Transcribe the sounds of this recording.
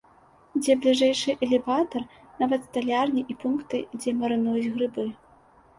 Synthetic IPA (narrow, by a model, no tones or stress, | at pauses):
d͡zʲɛblʲiʐɛjʂɨʔɛlʲɛvat̪ɐr | navɐt̪st̪alʲarnʲiʔipunkt̪ɨd͡zʲɛmɐɾɨnujud͡zʲɣɾɨbɨ